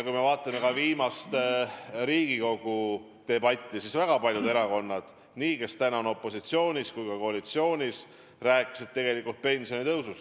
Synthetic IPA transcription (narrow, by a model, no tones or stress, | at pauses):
kujme̞vɑːt̪ːˑɑme̞kɑviːmɑst̪ɾiːɡ̥iko̞ɡ̥u | t̪e̞bɑt̪ʲːisisvæɡ̥ɑpɑlʲjud̪e̞ɾɑko̞nːɑd̪̥ | niːke̞st̪ænɑono̞pːˑo̞sit̪sio̞ːnʲiskujkɑko̞ɑlit̪sio̞ːnʲis | ræːkːˑi̥sed̪̚t̪ːe̞ɡ̥e̞likult̪̚pe̞nʲsio̞nit̪ɤwsust̪